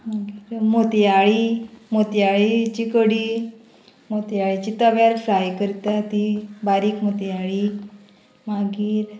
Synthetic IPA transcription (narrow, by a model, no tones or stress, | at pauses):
maɡiːɾmot̪jaɭimot̪jaɭit͡ɕikəɽiː | mot̪jaɭit͡ɕiːt̪əʋjaɾfɾajkəɾt̪at̪ibaɾiːkmot̪jaɭi | maɡiːɾ